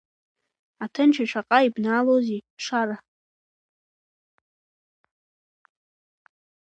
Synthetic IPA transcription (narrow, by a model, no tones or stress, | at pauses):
atʰɨnt͡ʃʰaʃʷʰaqʼaibnaːloziʂaɾa